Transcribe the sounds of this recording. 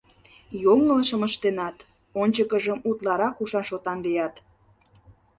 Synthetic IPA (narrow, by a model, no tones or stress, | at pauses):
joŋəlʃəməʃt̪enɑt̪ | onʲt͡ɕəkəʒəmut̪lɑɾɑkuʃɑnʃot̪ɑnlijɑt̪